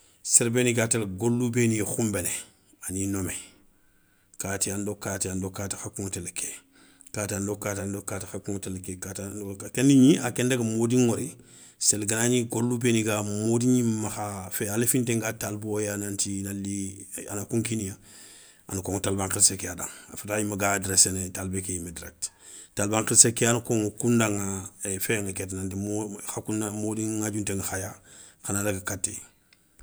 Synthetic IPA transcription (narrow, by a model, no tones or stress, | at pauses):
seɾbeniɡatelɡolːubenixumbene | aninome | katiandokatiandokati̥xakuŋtelke | katandokatandokatixakuŋtelkekataakendiɲiakendaɡamodiŋoɾi | selɡanaɲiɡolːubeniɡamodiɲimaxafealefinteŋɡatalbojanantinalianakuŋkinija | a̰nakoŋtalbãŋkɾsekeada̰ŋafatajimaɡadɾesenetalbekejimediɾḛk̚ttalbaŋkɾsekeanukoŋkundaŋafeŋaketnantimoxakunamodiŋŋaɟunteŋaxaja | kanadaɡakatːḛ